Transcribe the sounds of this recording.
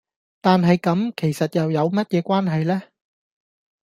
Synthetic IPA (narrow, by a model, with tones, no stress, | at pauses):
t̪aː˨nɦɐ˨jkɐ˨˥mkʰe˨˩jsɐ˨t̚jɐ˨wjɐ˨˧wmɐ˥t̚jɛː˨˧kʷaː˥nɦɐ˨jlɛː˥